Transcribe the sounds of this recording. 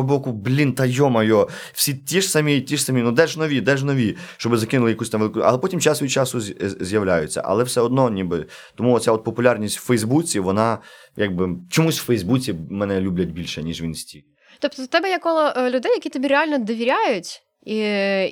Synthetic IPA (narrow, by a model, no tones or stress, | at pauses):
bɔkʊblʲint̪ɐjɔmɐjɔwsʲitʲiʂsɐmʲitʲiʂsɐmʲinud̪ɛʒnɔʋʲid̪ɛʒnɔʋʲiʃt͡ʃɔbɪzɐkɪnʊlˠɪjɐkusʲt̪ɑmʋelˠɪkʊɐ̰lˠɛpɔtʲimt͡ʃɑsʋɔjit͡ʃɑsʊzʲjɐwlʲajʊt͡sʲːɐ̰ʔɐ̰lˠɛwsɛɔd̪nɔnʲibɪt̪ɔmuɔsʲaɔt̪̚pɔpʊlʲarnʲisʲtʲwfɛjzbut͡sʲiʋɔnɑ | jaɡ̚bɪt͡ʃɔmusʲwfɛjzbut͡sʲimɛnɛlʲublʲɐt̚ʲbʲilʲʃɛnʲiʒʋʲinsʲtʲik | t̪ɔp̚t̪ɔt̪ɛbɛjɛkɔlˠɔʔlʲʊd̪ɛjɐkʲit̪ɔbʲirɛalʲnɔd̪ɔʋʲiɾʲajʊtʲ | i